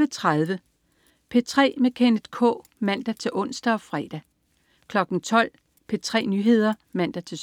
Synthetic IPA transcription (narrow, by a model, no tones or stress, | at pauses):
ət͡sʰʁaðˠʋə | pʰe̝t͡sʰʁɛ̰ːmekʰend̥kʰɔ̰̽ːmæn̰d̥æt͡sʰe̝lʔɔ̽n̰sd̥æɒ̽fʁɛːd̥æ | kʰlɒ̽ɡ̥n̩t͡sʰɒ̽l̰ | pʰe̝t͡sʰʁɛ̰ːnyːɦe̝ð̞̰ˠɐmæn̰d̥æt͡sʰe̝